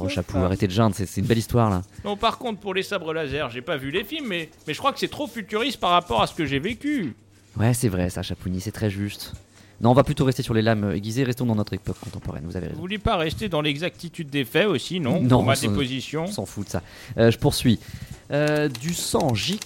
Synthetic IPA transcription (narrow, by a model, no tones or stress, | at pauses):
ʁəʃapʰuaʁet̪ed̪əʒɛ̃d̪ʁsɛsɛynbɛlist̪waʁla̰nɔ̃paʁkɔ̃t̪χpuʁlesabʁəlazɛʁʒepavylefilmːɛmɛʒəkχwakə̥sɛt̪χofyt̪yʁist̪̚paʁːapɔʁasə̥kəʒevekʲy | wɛsɛvʁɛsa̰ʃapuɲisɛt̪χɛʒyst̪ | nɔ̃ɔ̃vaplyt̪oʁɛst̪esyʁlelamøḛɡʲizeʁɛst̪ɔ̃d̪ɑ̃nɔt̪χepɔkːɔ̃t̪ɑ̃pɔʁɛ̰nvuzavḛʁez̃vulɛpaʁɛst̪ed̪ɑ̃lɛɡzak̚t̪it̪yd̪ːefɛosinɔ̃nɔ̃mad̪epozisjɔ̃sɑ̃fut̪sa | øʒəpuʁsɥiød̪ysɑ̃ʒik